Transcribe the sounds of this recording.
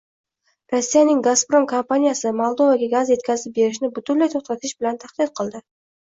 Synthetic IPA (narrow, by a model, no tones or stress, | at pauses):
ɾosːijanɪŋɡaspɾo̞mkʰompanijasɪmolˠd̪o̞vaɡʲaɡazje̞t̪kʲazɪp̚be̞ɾɪʃ̬nɪbʊt̪ʰʊnlajt̪ʰoχt̪ʰat̪ʰɪʃbɪlant̪ʰaχd̪ɪt̪̚qʰɨlˠd̪ɪ